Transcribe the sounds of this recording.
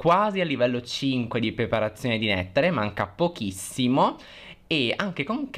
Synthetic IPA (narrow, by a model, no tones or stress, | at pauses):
kwaːzialːivɛlːot͡ʃiŋkwed̪ipɾepaɾat̪sːjoːned̪inɛ̰t̪ːeɾemaŋkapok̟isːimo | eaŋk̟ekoŋk